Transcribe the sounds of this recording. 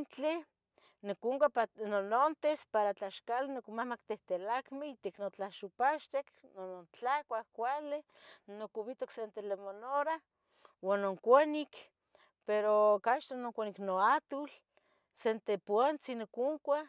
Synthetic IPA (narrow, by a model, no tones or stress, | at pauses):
nt͡ɬe | nokuŋkʷaanonont̪espaɾat͡ɬaʃkalenokmahmakt̪eht̪elakmeit̪eknot͡ɬaʃupaʃt̪eknonont͡ɬakʷahkʷale | nokuβit̪oksent̪elemonoɾa | wanːoŋkʷanik | peɾokaʃt̪anoŋkʷaniknoat̪ul | sent̪epwant͡sinokuŋkʷa